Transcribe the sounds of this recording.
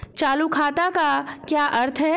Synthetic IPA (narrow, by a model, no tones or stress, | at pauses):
t͡ʃaːlukʰaːt̪akakjaːʔɐɾt̪ʰɦɛ